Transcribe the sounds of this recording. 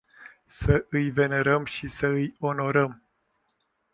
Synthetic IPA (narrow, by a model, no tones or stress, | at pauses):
səʔɨjve̞ne̞ɾəmʃisəɨjo̞no̞ɾəm